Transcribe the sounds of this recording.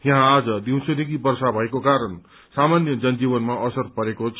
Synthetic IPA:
jʌ̃ɦãːd͡zʌd̪iw̃t͡sʰunekibʌrsabʱʌekokaɾʌn | samanjʌd͡zʌnd͡zibʌnmaʔʌsʌrpʌɾekot͡sʰ

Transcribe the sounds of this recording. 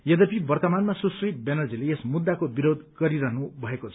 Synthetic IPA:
jʌd̪ʌpibʌrt̪ʌmanmasusribenʌrd͡zileesmud̪ːakobiɾod̪ɡʌɾiɾʌɦnubʱʌekot͡sʰ

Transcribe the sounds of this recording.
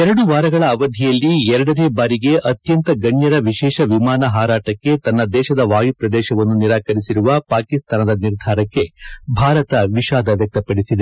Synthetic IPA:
ɛɾɐɽuʋaːɾɐɡɐɭɐːʋɐd̪ʱɛjɐlːiɛɾɐɽɐneːbaːɾiɡe̞ʔɐt̪jɐnt̪ɐɡɐɳjɐɾɐʋiʃɛːʃɐʋimaːnɐɦaːɾaːʈɐkːe̞t̪ɐnːɐd̪ɛːʃɐd̪ɐʋaːjupɾɐd̪ɛːʃɐʋɐnːuniɾaːkɐɾisiɾuʋɐpaːkist̪aːnɐd̪ɐniɾd̪ʱaːɾɐkːe̞bʱaːɾɐt̪ɐʋiʃaːd̪ɐʋjɐk̚t̪ɐpɐɽisid̪e

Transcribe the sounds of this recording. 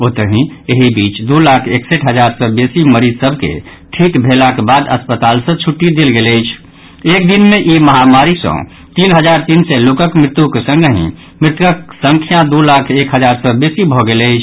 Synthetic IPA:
ot̪əɦĩeɦibit͡ʃd̪ulakʰekseʈɦəd͡ʒaɾsə̃besiməɾid͡ʒsəbʱkḛ | ʈʰikbʱelakebad̪ə̰spət̪alsə̃t͡ʃʰuʈːid̪elɡeləɪt͡ʃʰ | ek̚d̪inmeʔiməɦamaɾisə̰̃ | t̪inɦəd͡ʒaɾt̪insɛlokəkmɾɪt̪ukesə̃ŋɡɦḭ̃ | mɾɪt̪əksə̃ŋkʰijãd̪ulakʰekɦəd͡ʒaɾsə̃besibʱɔɡelət͡ʃʰ

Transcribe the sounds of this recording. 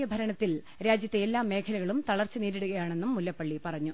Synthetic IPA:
jɐbʱɐɾɐɳɐt̪ːil | ɾaːd͡ʑjɐt̪ːeelːaːmːe̞ːkʰɐlɐɣɐɭumt̪ɐɭɐrt͡ɕːɨniːɾeɽuɣɐjaːɳe̞nːumːulːɐpːɐɭːipɐrɐɲːu

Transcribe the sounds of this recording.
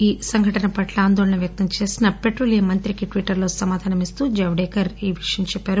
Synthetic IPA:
iːsɐŋɡʱɐʈɐnɐpɐʈlɐaːnd̪oːɭɐɳɐʋjɐk̚t̪ɐmt͡ʃe̞ːsinɐpe̞ʈɾoːlijɐmɐnt̪ɾikiʈʋiʈːɐɾloːsɐmaːd̪ʱaːnɐmist̪uːd͡ʒɐʋɖɛːkɐɾiːʋiʂɐjɐmt͡ʃɛpːaːɾu

